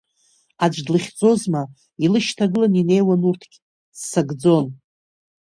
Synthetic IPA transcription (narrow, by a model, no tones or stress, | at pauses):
ad͡ʒʷʼdlɨχʲd͡zo̞zma | ilɨʃtʰaɡɨlanine̞jwanurtʰɡ̥ʲ | sːaɡd͡zo̞n